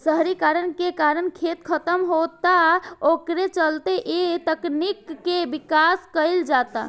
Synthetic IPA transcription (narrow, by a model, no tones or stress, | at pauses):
səɦɾikaɾənkekaɾənkʰet̪kʰət̪əmɦot̪aokɾet͡ʃəlt̪eʔet̪əknikːebikaskəɪld͡ʒat̪a̰